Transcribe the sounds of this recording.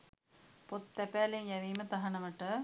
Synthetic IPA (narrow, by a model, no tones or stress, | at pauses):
pot̪ːɐpaːleŋjɐʋiːmɐt̪ɐɦɐnɐmɐʈːɐ